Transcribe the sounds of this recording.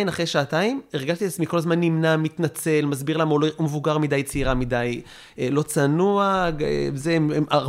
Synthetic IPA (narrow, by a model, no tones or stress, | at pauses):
imaχʁejʃaːtaimeʁɡaʃt̪iat͡smiko̞lazmanːimnamit̪nat͡se̞lmazbiʁlamoloomevuɡaʁmidajt͡siʁamidaj | lo̞t͡sanuaɡ̰zemema